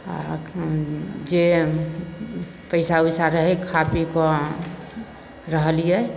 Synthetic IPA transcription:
a̰ | d͡ʒe | pəɪsaujsaɾəɦekʰapikɔ | ɾəɦlijɛ

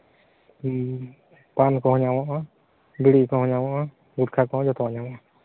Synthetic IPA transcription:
pankɔ̃ɦɔ̃ɲawɔʔɔ | biɽiʔkɔ̃ɦɔ̃ɲawɔʔɔ | ɡuɾkʰakɔɦɔ̃d͡ʒɔt̪ʰɔɲawɔʔɔ

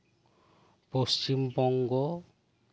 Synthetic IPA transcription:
post͡ʃimbɔŋɡɔ

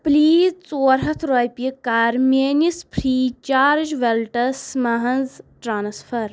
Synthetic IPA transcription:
pliːzt͡soːɾɦɐt̪ʰɾojpʲikaːɾmeːnispʰɾiːt͡ʃaːɾd͡ʒʋelʈɐsmɐɦɐnzʈɾaːnsfʰɐɾ

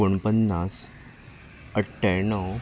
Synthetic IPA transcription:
oɳpənːas | əʈʰːenəw

